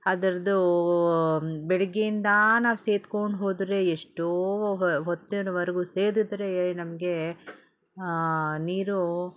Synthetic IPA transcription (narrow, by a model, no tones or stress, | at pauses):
ɐd̪ɐɾɐd̪u | bɛɭɐɡejind̪ɐnaːʋuseːt̪koɳɖɦo̞ːd̪ɾe̞eʂʈoːɦot̪ːinɐʋɐɾɐɡuːseːd̪id̪ɾe̞nɐmɐɡe̞ | niːɾu